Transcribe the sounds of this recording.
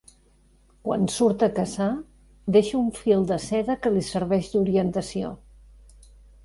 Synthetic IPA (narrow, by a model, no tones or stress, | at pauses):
kwa̰nsuɾt̪əkəza | d̪eʃuɱfilˠd̪əsɛðəkəlisəɾβɛʃd̪uɾiənt̪əsio̰